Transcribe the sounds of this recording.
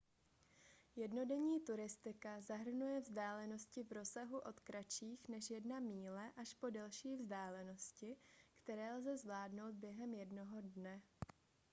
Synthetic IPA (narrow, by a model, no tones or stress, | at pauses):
jɛdno̞dɛɲiːt̪uɾɪst̪ɪkazaɦr̩nujɛvzdaːlɛno̞scɪvɾo̞saɦuʔo̞t̪kɾat͡ʃiːxnɛʃjɛdnamiːlɛʔaʃpo̞dɛlʃiːvzdaːlɛno̞scɪkt̪ɛɾɛːlzɛzvlaːdno̞wt̪̚bjɛɦɛmjɛdno̞ɦo̞dnɛ